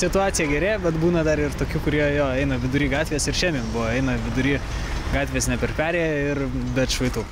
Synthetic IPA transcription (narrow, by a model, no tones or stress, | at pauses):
sʲɪt̪ʊɑːsʲɪjɛɡʲɛɾʲeːbʲɛt̪buːnɐd̪ɐɾɪrt̪oːkʲuːkʊɾʲiɛjoːɛɪnɐʋʲɪd̪ʊɾʲiːɡɑːt̪ʲʋʲeːsɪɾʃʲiːmʲiːnbʊʋɐɛɪnɐʋʲɪd̪ʊɾʲiː | ɡɑːt̪ʲʋʲeːsnʲɛpʲɛɾpʲæːɾʲeːjɛɪɾbʲɛt̪ʃʋɐɪt̪uː